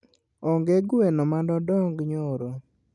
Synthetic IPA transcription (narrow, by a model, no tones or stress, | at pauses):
ɔŋɡeɡwenɔmandɔdɔŋɡɲoɾo